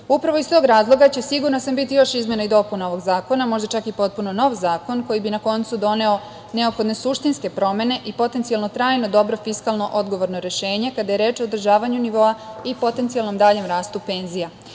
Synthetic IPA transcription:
upɾaʋoist̪o̞ɡɾaːzlˠo̞ɡat͡ɕe̞siɡuɾnasambit̪ijo̞ʃizmʲje̞naid̪o̞punao̞ʋo̞ɡzaːko̞namo̞ʒd̪at͡ʃakipo̞t̪̚puno̞no̞ʋzaːko̞nko̞jibinako̞nt̪sud̪o̞ne̞o̞ | ne̞opxo̞d̪ne̞suʃt̪inske̞pɾo̞me̞ne̞ʔipo̞t̪e̞nt̪ijalnot̪ɾaːjno̞d̪o̞bɾo̞fiskalˠno̞ʔo̞d̪ɡo̞ʋo̞ɾnoɾe̞ʃe̞ːɲe̞kad̪aje̞ɾe̞ːt͡ʃoːd̪ɾ̩ʒaːʋaɲuniʋo̞aipo̞t̪e̞nt̪sijalˠno̞md̪aːʎe̞mɾaːst̪upe̞nzija

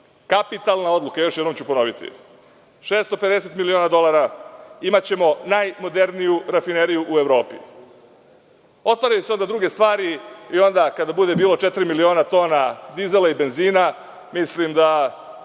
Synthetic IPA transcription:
kapit̪alˠnao̞d̪lukajo̞ʃ̬jed̪nomt͡ɕupo̞no̞ʋit̪ḭ | ʃe̞ːst̪o̞pe̞d̪ese̞t̪milio̞ːnad̪o̞laɾaimat͡ɕe̞mo̞najmo̞d̪e̞ɾnijuɾafine̞ɾijuʔue̞ʋɾo̞ːpḭ | o̞t̪ʋaɾajuseo̞nd̪ad̪ɾuɡe̞st̪ʋaːɾiio̞nd̪akad̪abud̪e̞biːlo̞t͡ʃet̪ɾimilio̞ːnat̪o̞ːnad̪izelaibe̞nziːna | mislimd̪a

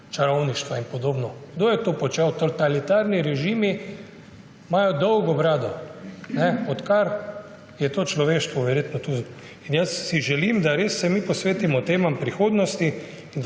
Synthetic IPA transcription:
t͡ʃaɾɔwniʃt̪ʋainpɔd̪oːbnɔɡ̥d̪oːjɛt̪oːpɔt͡ʃɛwt̪ot̪alit̪aɾniɾɛʒiːmi | maːjɔd̪ɔwɡɔbɾaːd̪ɔnɛɔt̪kaɾ | jɛt̪oːt͡ʃlɔʋeːʃt̪ʋɔʋɛɾjeːt̪nɔt̪u | injəsːiʒɛlimd̪aɾeːsːɛmipɔsʋeːt̪imɔt̪eːmampɾixoːd̪nɔst̪i | ind̪

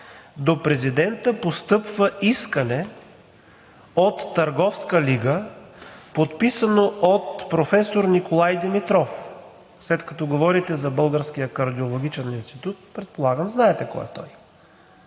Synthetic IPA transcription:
d̪opɾɛzid̪ɛnt̪əpost̪ɤpvəiskənɛ | ot̪ːɐɾɡɔfskəliɡə | pot̪pisənoʔot̪pɾofɛsoɾnikolˠajd̪ɛmit̪ɾɔf | slɛt̪kɐ̥t̪ɔɡovɔɾit̪ɛzɐbɤlˠɡəɾskijəkɐɾd̪iolˠoɡ̟ʲit͡ʃɛninst̪it̪ut̪̚pɾɛt̪̚polˠaɡəmznaɛt̪ɛkɔ̰jɛ̰t̪ɔ̰j

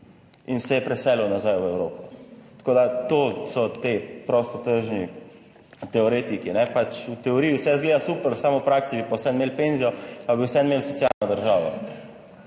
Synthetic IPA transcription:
insɛjɛpɾɛsɛlɛwnazajwɛwɾoːpɔt̪ḁkoːd̪at̪oːsɔt̪epɾɔst̪ɔt̪əɾʒni | t̪ɛɔɾeːt̪ikinɛpat͡ʃut̪ɛɔɾiːiwsɛzɡleːd̪asuːpəɾsaːmɔwpɾaksibipawsɛnmeːlpenzijɔpabiwsɛnmelsɔtsjaːlnɔd̪əɾʒaːʋɔ̰

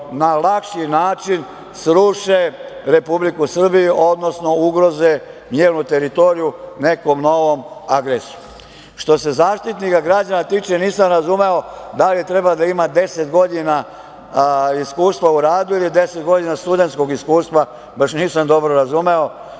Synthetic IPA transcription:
nalakʃinaːt͡ʃin | sɾuʃe̞ɾe̞publikusr̩bijuʔo̞d̪no̞sno̞uɡɾo̞zemjeːɾnut̪e̞ɾit̪o̞ɾijune̞ko̞mno̞ʋo̞maɡɾesu̥ | ʃt̪o̞se̞zaːʃt̪it̪nikaɡɾad͡ʑanat̪iːt͡ʃe̞niːsamɾazume̞o̞d̪alit̪ɾe̞bad̪aimad̪e̞se̞t̪ɡo̞d̪ina | iskuːst̪ʋauɾaːd̪uilid̪e̞set̪ɡo̞d̪inast̪ud̪e̞nt̪sko̞ɡiskuːst̪ʋa | baʃniːsamd̪o̞bɾoɾazume̞o̞

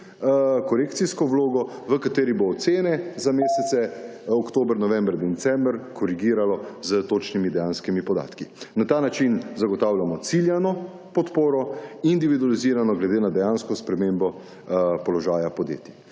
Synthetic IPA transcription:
kɔɾekt̪siskɔʋloːɡɔʋəkat̪eːɾiboːt̪seːnɛzameːsɛt̪sɛɔkt̪oːbɾnɔʋɛmbɾd̪ɛt̪sɛmbɾkɔɾiɡiːɾalɔzət̪oːt͡ʃnimid̪ɛjaːnskimipɔd̪a̰ːt̪kinat̪aːnat͡ʃinzaɡɔt̪awljamɔt̪siljanɔ | pɔt̪poːɾɔind̪iʋid̪ualiziːɾanɔɡlɛd̪eːnad̪ɛjaːnskɔspɾɛmembɔ | pɔlɔʒaːjapɔd̪jḛːt̪ji

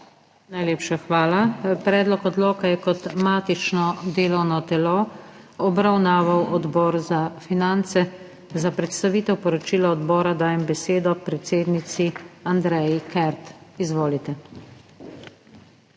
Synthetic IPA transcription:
najleːpʃaxʋaːlapɾɛːd̪lɔkɔd̪loːkajɛkɔt̪maːt̪it͡ʃnɔd̪eːlɔwnɔt̪ɛlo | ɔbɾawnaːʋawɔd̪bɔːɾzafinant̪sɛ | zapɾɛt̪st̪aʋiːt̪ɛwpɔɾɔt͡ʃiːlɔɔd̪bɔːɾad̪aːjɛmbɛseːd̪ɔpɾɛt̪seːd̪nit̪siand̪ɾɛjikɛɾt̪izʋoːlit̪ɛ

